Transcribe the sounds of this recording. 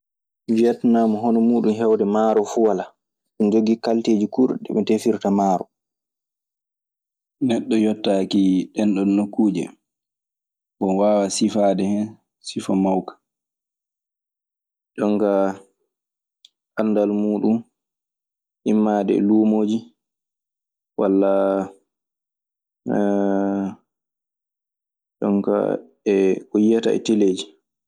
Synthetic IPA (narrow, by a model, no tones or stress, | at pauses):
viatnamɔɦɔnɔmuːɗumɦɛwdɛmaːɾɔfuwala | sund͡ʒoɡːikalteːd͡ʒikuɾɗɛ̰ɓɛtefiɾtamaːɾɔ̰ | nɛɗːɔjɔtːakiɗɛnɗɔnːokːuːd͡ʒɛ̰ | bɔnwaːwasifadɛhɛn | sifamawkḁ | ɗɔŋka | ʔanːdalmuːɗum | ʔimːaːdɛ̰luːmoːd͡ʒi | walːa | ɗɔ̰ŋka̰ | ɛhujːata̰ɛ̰teleːd͡ʒi